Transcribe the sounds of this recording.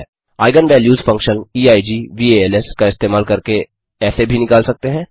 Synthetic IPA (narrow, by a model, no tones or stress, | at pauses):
ɛː | aːɪɡənʋɛːljuːzfɐ̃ŋkʃəniːaːid͡ʒiːʋiːeːeːlɛskaɪst̪eːmaːlkɐɾke | ɛːsebʱinɪkaːlsɐk̚t̪eɦɛ̃ː